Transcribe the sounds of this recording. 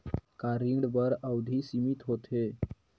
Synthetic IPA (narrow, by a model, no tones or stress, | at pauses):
kaɾiɖbəɾawd̪ʱiːsimit̪ɦot̪ʰe